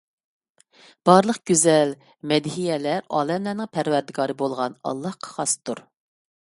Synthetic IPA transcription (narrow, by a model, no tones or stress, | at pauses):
b̥ɑɾlˠəqɡ̥ʲyzɛl | mɛd̪hijɛlæɾɑ̰ːlˠɛmlænɪŋpʰæɾwæɾd̪ɪɡɑːɾɨbolˠʁɑnɑ̰lˠːɑhqʰɑ̥χɑst̪uɾ